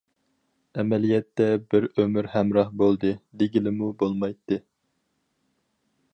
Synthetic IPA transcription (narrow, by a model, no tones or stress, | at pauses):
ɛmɛlijɛt̪ːɛbɪɾømɪɾhɛmɾɑhbolˠd̪ɨd̪eɡʲilɪmubolˠmɑjt̪ʰːɨ